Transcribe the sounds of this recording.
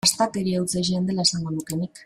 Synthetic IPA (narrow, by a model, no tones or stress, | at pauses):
ast̪at̪eɾiawt͡saʃ̬iːnd̪e̞lae̞saŋɡo̞nuke̞nik